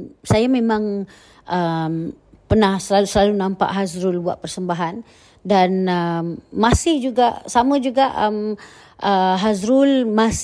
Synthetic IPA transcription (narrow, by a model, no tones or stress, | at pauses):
sajamẽmãŋ | əm | pərnahsəlausəlalunãmpa̰ʔɦazɾʊlbua̰ʔ̪̚pərsəmbaɦan | danəmːasɪhd͡ʒuɡaʔsamə̃d͡ʒuɡaʔəm | ʔəɦazɾʊlmas